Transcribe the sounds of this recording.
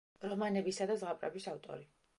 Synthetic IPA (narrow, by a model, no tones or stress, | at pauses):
ɾɔmanɛbisad̪azʁapʼɾɛ̰bisaft̪ʼɔ̰ɾi